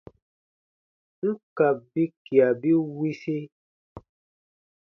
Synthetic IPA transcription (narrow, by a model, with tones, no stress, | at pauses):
ŋ̩˦ka˨p̚bi˦ki˨a˨bi˦wi˦si˦